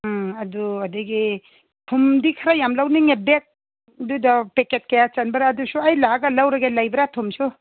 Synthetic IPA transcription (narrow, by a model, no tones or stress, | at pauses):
ɦad̪uʌd̪eɡe | t̪ʰumd̪ikʰaɾajamlawniŋebek̚ | d̪ud̪apeket̚kejat͡sanbaɾːd̪usʰuajlaɡalawɾaɡelajbɾat̪ʰumt͡ʃʰu